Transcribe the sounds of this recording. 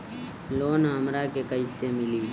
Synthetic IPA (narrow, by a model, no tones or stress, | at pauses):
loːnɦəmɾakekəɪsemɪli